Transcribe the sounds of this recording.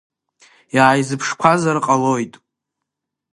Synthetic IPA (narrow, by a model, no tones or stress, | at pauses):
jaːjzɨpʰʂkʷʰazarqʼalo̞jtʼ